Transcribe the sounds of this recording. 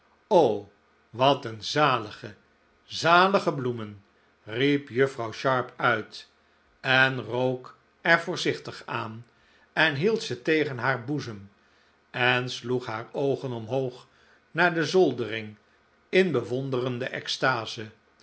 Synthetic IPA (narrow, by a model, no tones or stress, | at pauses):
ow | ʋɑtənzaːləχə | zaːləχəblumən | ripjɵfrɑwʃɑɹpœɥt | ɛnrowk | ɛɹvʊːɹzɪχtəχaːn | ɛnɦilˠtsətejχənɦaːɹbuzəm | ɛnsluχɦaːɹowχənɔmɦowχ | naːɹdəzɔlˠdərɪŋ | ɪnbəʋɔndərəndəʔɛ̰kstaːzə